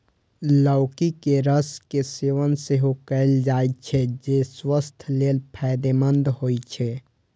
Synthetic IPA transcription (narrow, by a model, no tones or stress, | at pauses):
ləʊkikeɾəskeseːʋənseɦokəɪld͡ʒaːit̪̚t͡ʃʰɛd͡ʒeswəst̪ʰleːlpʰɛd̪emənd̪ɦoit͡ʃʰɛ